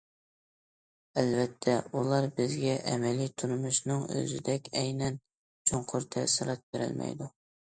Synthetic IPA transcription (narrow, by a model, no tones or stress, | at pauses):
ælvɛt̪ʰːɛulˠɑɾbɪzɡʲɛʔɛmɛlit̪ʰuɾmuʃnɨŋø̰zɪd̪ɛkʲʰɛjnɛn | t͡ʃʰoŋqʰʊɾt̪ʰɛsɨɾɑt̪̚beɾɪ̰lmɛ̰jd̪u